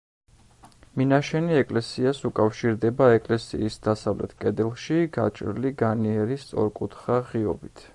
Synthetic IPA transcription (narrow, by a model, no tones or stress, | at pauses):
minaʃɛniɛkʼlɛsiasukʼafʃiɾd̪ɛbaɛkʼlɛsḭːsd̪̥asavlɛ̰t̪ʰkʼɛd̪ɛlˠʃiɡat͡ʃʼɾliɡaniɛɾist̪sʼɔ̰ɾkʼut̪ʰχaʁiɔ̰bit̪ʰ